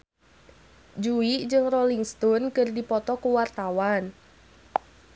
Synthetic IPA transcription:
d͡ʒuiʔd͡ʒɨŋrɔliŋst̪ɔnkɨrdipɔt̪ɔkuwart̪awan

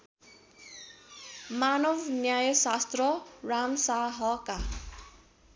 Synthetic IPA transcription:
manʌwnjajʌsast̪rʌramsaɦʌka

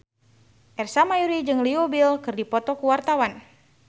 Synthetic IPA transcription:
ʔɛrsamajuɾid͡ʒɨŋliobilkɨrdipɔt̪ɔkuwart̪awan

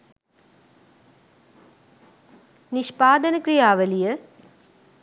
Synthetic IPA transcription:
niʃpaːd̪ɐnəkrijaːʋɐlijə

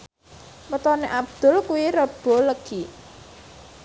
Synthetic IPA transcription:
mət̪ɔneʔab̚d̪̥ʊ̤lkuwiɾəb̥o̤ləɡ̥i

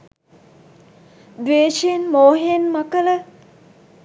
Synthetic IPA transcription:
d̪ʋeːʃienmoːɦenmakələ

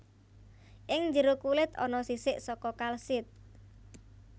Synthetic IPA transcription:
ʔɪŋd͡ʒəɾokulɪt̪ɔ̰nɔsisɪʔsɔkɔkalsɪt̪̚

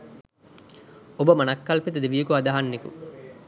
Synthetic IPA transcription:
obəmɐnɐkːɐlpit̪ɐd̪eʋijəkuad̪aɦanːekṵ

